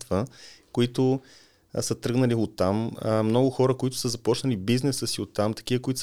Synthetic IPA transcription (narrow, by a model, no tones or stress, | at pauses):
t̪vəkoit̪ʊ | sət̪ɾɤɡnəliot̪ːammnɔɡʊxɔɾəkoit̪ʊ̥səzɐpɔt͡ʃnəlibiznɛsəsiot̪ːamt̪ɐ̥k̟ivəkʊit̪ʊs